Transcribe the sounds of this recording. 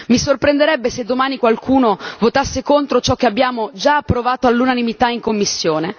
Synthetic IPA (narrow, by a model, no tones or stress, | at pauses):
misorpɾend̪eɾɛbːesed̪ːomaːnikwalkʰuːnovot̪asːekont̪ɾot͡ʃɔkːeabːjaːmod͡ʒaːpːɾovaːt̪oalːunanimit̪aiŋkomːisːjoːne